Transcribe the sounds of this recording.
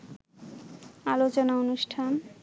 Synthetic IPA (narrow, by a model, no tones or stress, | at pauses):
alot͡ɕonaonuʃʈʰan